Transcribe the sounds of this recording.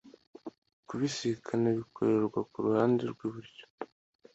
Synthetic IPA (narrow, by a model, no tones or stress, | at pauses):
kuβisikʰanaβikʰoɾeɾɡwakuɾuhaːndeɾɡwiβuɾjo̥